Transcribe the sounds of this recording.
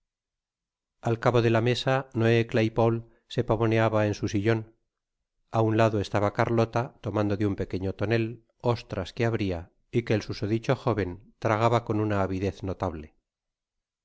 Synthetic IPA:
alkaβo̞ðe̞lame̞sanoeklajpol | se̞paβo̞neaβaensusiʎo̞n | aunlaðoe̞st̪aβakaɾlo̞t̪at̪o̞mãnd̪o̞ðeumpe̞ke̞ɲot̪o̞ne̞l | o̞st̪ɾaske̞aβɾia | ike̞ːlsusoðit͡ʃo̞xo̞βe̞nt̪ɾaɣaβako̞nunaːβiðe̞θnot̪aβle̞

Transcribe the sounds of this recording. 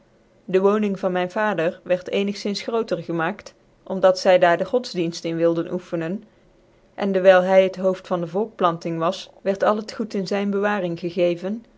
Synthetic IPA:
dəʋownɪŋvɑnmɛjnvaːdəɹʋɛɹtejnəχsɪnsχrowtəɹχəmaːkt | ʔɔmdɑtsɛjdaːɹdəχɔdzdinstɪnʋɪlˠdənʔufənən | ʔɛndəɹʋɛjlˠɦɛjɦətɦowftfɑndəvɔlˠk̚plɑntɪŋʋɑsʋɛɹtɑlˠətχutɪnzɛjnbəʋaːrɪŋχəɣejvən

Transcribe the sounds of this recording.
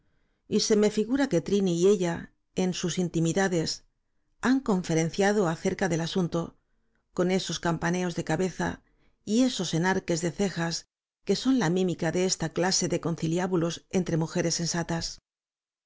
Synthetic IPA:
ise̞me̞fiɣuɾake̞t̪ɾiniːe̞ʎa | e̞nsusint̪imiðaðe̞s | aŋko̞ɱfe̞ɾe̞n̟θjað̞o̞aθe̞ɾkaðe̞lasunt̪o̞ | ko̞ne̞so̞skampane̞o̞zðe̞kaβe̞θa̰ | ie̞so̞se̞naɾke̞zðe̞θe̞xas | ke̞so̞nlamĩmikaðe̞e̞st̪aklase̞ðe̞ko̞nθiljaβulo̞se̞nt̪ɾe̞muxe̞ɾe̞se̞nsat̪as

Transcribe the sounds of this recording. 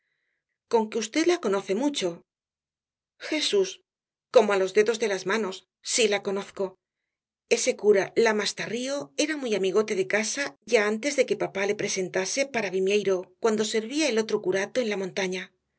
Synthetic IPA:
ko̞ŋkeust̪e̞ðlako̞no̞θe̞mut͡ʃo̞ | xe̞sus | ko̞moalo̞zðe̞ðo̞zðe̞lazmano̞sː | ilako̞no̞θko̞ | e̞se̞kuɾalamast̪ario̞e̞ɾamujamiɣo̞t̪e̞ðe̞kasaʝaant̪e̞zðe̞ke̞papale̞pɾe̞se̞nt̪ase̞paɾaβimjejɾo̞kwand̪o̞se̞ɾβiae̞lo̞t̪ɾo̞kuɾat̪o̞e̞nlamõ̞nt̪aɲa

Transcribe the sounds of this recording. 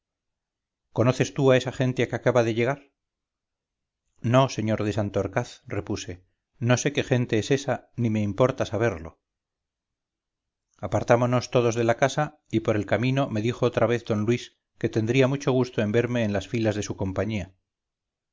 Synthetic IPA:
ko̞no̞θe̞st̪uae̞saχe̞nt̪e̞akeakaβaðeʎe̞ɣ̞aɾ | no̞se̞ɲo̞ɾðe̞sant̪oaɾkaθre̞puse̞ | no̞se̞ke̞xe̞nt̪e̞ese̞sanime̞impo̞ɾt̪asaβ̞e̞ɾlo̞̰ | apaɾt̪amono̞st̪o̞ð̞o̞zðe̞lakasa | ipo̞ɾe̞lkamĩno̞me̞ðixo̞ot̪ɾaβe̞θd̪o̞nlwis | ke̞t̪e̞nd̪ɾiamut͡ʃo̞ɣ̞ust̪o̞e̞mbe̞ɾme̞ːnlasfilazðe̞suko̞mpaɲia

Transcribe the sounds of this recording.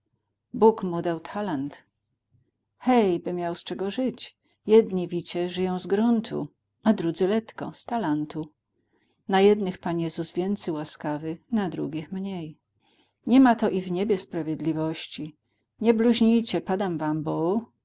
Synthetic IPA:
bukmud̪awt̪ʰalant̪ | xɛjbɘmʲjawst͡ʂɛɡɔʐɘt͡ɕ | jɛd̪ɲivʲit͡ɕɛʐɘjɔ̃w̃zɡɾunt̪ʰṵ | ad̪ɾud̪zɘlɛt̪kɔ̰st̪alant̪u | najɛd̪nɘxpanjɛzuzvʲjɛnt̪sɛjwaskavɘxnad̪ɾṵɡʲixmɲej | ɲɛmat̪ɔʔivɲebʲjɛspɾavʲjɛd̪lʲivɔɕt͡ɕi | ɲɛbluʑɲijt͡ɕɛpad̪amvambɔ

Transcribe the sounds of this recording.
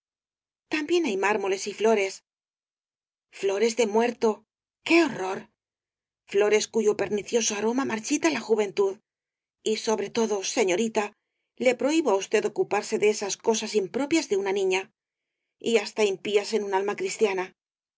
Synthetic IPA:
t̪ambje̞najmaɾmo̞le̞siflo̞ɾe̞s | flo̞ɾe̞zðe̞mwe̞ɾt̪o̞ | ke̞oro̞ɾ | flo̞ɾe̞skuʝo̞pe̞ɾniθjo̞soaɾo̞mamaɾt͡ʃit̪alaxuβe̞nt̪uð | iso̞βɾe̞t̪o̞ðo̞se̞ɲo̞ɾit̪a | le̞pɾo̞iβoaust̪e̞ðo̞kupaɾse̞ðeesasko̞sasimpɾo̞pjazðe̞unanĩɲa | iast̪aimpiase̞nunalmakɾist̪jana

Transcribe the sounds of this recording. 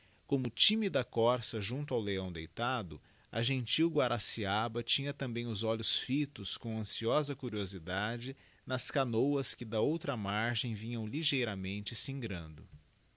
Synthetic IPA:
kõmʊt͡ʃĩmid̪ɐkɔɾsɐʒũnt̪ʊawleɐ̃w̃d̪ejt̪ad̪ʊ | ɐ̰ʒẽnt͡ʃiwɡwaɾʔasiabɐt͡ʃĩɲɐt̪ɐ̃mbẽj̃ʊzɔʎʊsfit̪ʊskõw̃ɐ̃siɔzɐkuɾiozid̪ad͡ʒɪ | nɐskanowɐskɪd̪ɐowt̪ɾɐmaɾʒẽj̃vĩɲɐ̃w̃liʒejɾɐmẽnt͡ʃɪsĩŋɡɾɐ̃nd̪ʊ

